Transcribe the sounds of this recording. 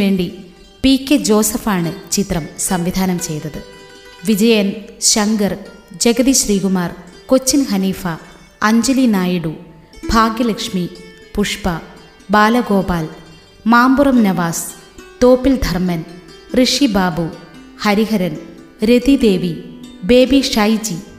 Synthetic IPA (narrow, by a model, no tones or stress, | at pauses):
e̞ːɳɖi | piːkːed͡ʑo̞ːsɐfaːɳɨt͡ɕit̪rɐmsɐmʋid̪ʱaːnɐmt͡ɕe̞jt̪ːɐðɨ | ʋid͡ʑɐjɐnɕɐŋɡɐrd͡ʑeɡɐðiɕriːɡumaːrko̞t͡ɕːinhɐniːfɐː | ɲd͡ʑɐlinaːjiɽu | bʱaːɡjɐlɐkʂmi | puʂpɐ | baːlɐɡo̞ːbaːl | maːmburɐmnɐʋaːs | t̪oːpːild̪ʱɐrmɐnrɨʂibaːbu | hɐɾiɦɐɾɐn | ɾed̪id̪e̞ːʋibe̞ːbiʂajit͡ɕːi